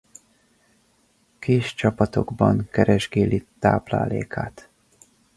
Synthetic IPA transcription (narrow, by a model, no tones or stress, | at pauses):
keːʃt͡ʃɒpɒt̪o̞ɡbɒŋkɛɾɛʒɡeːlit̪aːbla̰ːleːkʰaːt̪